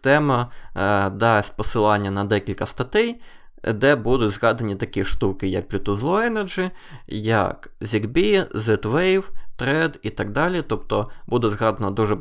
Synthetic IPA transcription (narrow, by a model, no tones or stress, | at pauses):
t̪ɛmɐ | d̪ɑsʲt̚ʲpɔsɪlˠɑnʲːɐnɐd̪ɛkʲilʲkɐst̪ɐt̪ɛj | d̪ɛbud̪ʊtʲzɣɑd̪ɐnʲit̪ɐkʲiʃt̪ukɪjɐk̚plʲʊt̪ɔzlˠɔɛnɐd͡ʒɪjɐ̰kzʲiɡbʲizɛt̪ʋɛjwt̪ɾɛd̪it̪ɐɡ̚d̪ɑlʲit̪ɔpt̪ɔbud̪ɛzɣɑd̪ɐnɐd̪uʒɛ